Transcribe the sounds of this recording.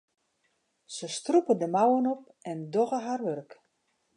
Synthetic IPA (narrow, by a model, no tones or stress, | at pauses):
səstrupədəmawənop̚ | ɛndoɣəɦarʋørk